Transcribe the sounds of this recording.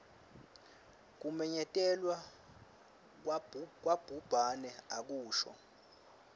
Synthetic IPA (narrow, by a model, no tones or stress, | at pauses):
k̬umɛɲɛtʼɛlwa | k̬ʼwab̥ʱub̥ʱanɛak̬uːʃɔ̰